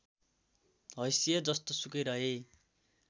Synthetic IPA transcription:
ɦʌjsijʌd͡zʌst̪osukʌjɾʌɦe

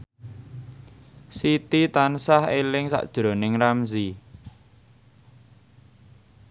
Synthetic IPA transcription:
sit̪it̪ansahelɪŋsa̰ʔd̥ʒ̥ɾo̤nɪŋramzi

